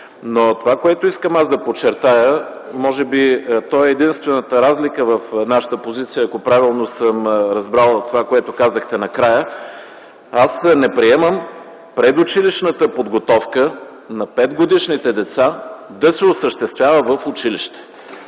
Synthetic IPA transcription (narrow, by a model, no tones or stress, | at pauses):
not̪ovakoɛt̪oiskəmazd̪ɐpot͡ʃɛɾt̪ajə | mɔʒɛbit̪ɔɛːd̪inst̪vɛnət̪əɾazlikəvəfnaʃə̥t̪əpozit̪sijəːkopɾavilˠnosəmɾɐzbɾalˠt̪ovakoɛt̪okazəxt̪ɛnɐkɾajə | asnɛpɾiɛməm | pɾɛd̪ʊt͡ʃiliʃnət̪əpod̪ɡot̪ɔfkə | nɐpɛd̪ɡod̪iʃnit̪ɛd̪ɛt̪sad̪ɐsɛosəʃt̪ɛst̪vʲjavəvəfʊt͡ʃiliʃt̪ɛ̥